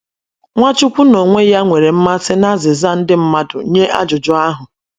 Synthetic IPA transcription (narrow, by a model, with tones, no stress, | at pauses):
ŋʷa˦t͡ʃʊ˦kʷu˦no˨ŋʷe˦ja˦ŋʷe˨ɾe˨m̩˦ma˦sɪ˦na˦zɪ˨za˦˨n̩˦dɪ˦m̩˦ma˦dʊ̰˨˦ɲe˦ʔa̰˦d͡ʒʊ˨d͡ʒʊ˦a˦ɦʊ˨